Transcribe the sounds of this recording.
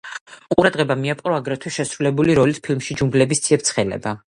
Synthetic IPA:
qʼuɾad̪ʁɛbamiapʼɾɔaɡɾɛt̪ʰwɛʃɛsɾulɛbuliɾɔlispʰilmʃid͡ʒumɡlɛbist̪sʰiɛp̚t̪sʰχɛlɛ̰ba

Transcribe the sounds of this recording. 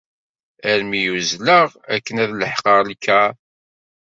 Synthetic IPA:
æɾmijuzləʁækːənæðləħqəʁlkːæ

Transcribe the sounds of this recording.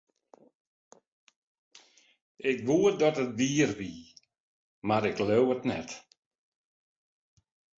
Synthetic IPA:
ʔɪkʋuədɔtətʋiːərʋi | maɾɪkløwətnɛ̰t

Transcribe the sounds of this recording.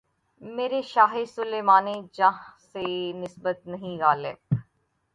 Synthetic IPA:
meːɾeʃaːɦesʊleːmaːned͡ʒãːɦsenɪsbət̪nəɦĩːɣaːlɪ̰b

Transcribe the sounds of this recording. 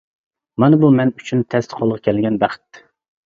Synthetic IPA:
mɑnɨbumɛnyt͡ʃʰynt̪ʰɛst̪ʰqʰolˠəʁkʲʰɛlɡʲɛnbæχɪ̥t̪ː

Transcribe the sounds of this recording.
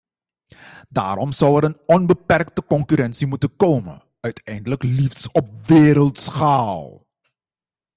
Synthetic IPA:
da̰ːɾɔmz̥ʌwɛɾənɔnbəpɛrktəkɔŋkyɾɛnsimutənkowmə̰ | œɥtʰɛjndələkliftsɔp̚ʋeːɾəlˠtsxaːlˠ

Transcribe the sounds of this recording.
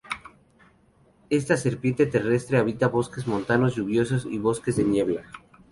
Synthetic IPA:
e̞st̪ase̞ɾpjent̪e̞t̪e̞re̞st̪ɾeaβ̞it̪aβo̞ske̞zmõ̞nt̪ano̞zʝuβjo̞s̬o̞sḭβo̞skezðenje̞βla

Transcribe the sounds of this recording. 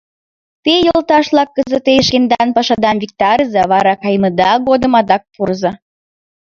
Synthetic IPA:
t̪ejolt̪ɑʃlɑkːəzət̪eʃkend̪ɑnpɑʃɑd̪ɑnvʲik̚t̪ɑɾəzɑβɑɾɑkɑjməd̪ɑɣod̪əmɑd̪ɑk̚purzɑ

